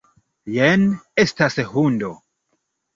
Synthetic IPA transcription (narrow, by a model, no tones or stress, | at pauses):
jenestashundo